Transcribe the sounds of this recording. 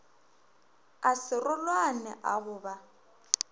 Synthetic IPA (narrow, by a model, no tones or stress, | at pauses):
asɪrʊlwanɛ̰ʔaɣʊːba